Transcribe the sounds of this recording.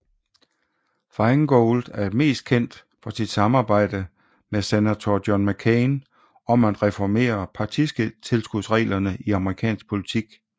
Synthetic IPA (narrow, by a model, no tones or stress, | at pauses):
fɑ̈ɪŋɡ̥oːld̥æɐme̝̰ːsd̥̚kʰen̰d̥ | fɒ̽sid̥sɑ̈mɑ̈ːb̥ɑ̈ɪ̰d̥ə | mesenæt͡sʰɒd̥jɒnmækʰeɪn | ɒ̽mædʁɛfɒme̝̰ːɐpʰɑ̈t͡sʰisɡ̥ət͡sʰe̝lsɡ̥uðˠsʁɛ̰ːlɐnəʔiɑ̈məʁikʰɛ̰ːnsɡ̥̚pʰo̝lit͡sʰiɡ̥